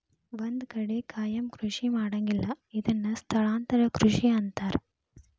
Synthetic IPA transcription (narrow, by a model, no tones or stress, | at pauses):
ʋond̪kɐɽekʰaːjɐmkɾuʂimaːɽɐŋɡilːɐ | id̪ɐnːɐst̪ʰɐɭaːnt̪ɐɾɐkɾuʂiɐnt̪aːɾ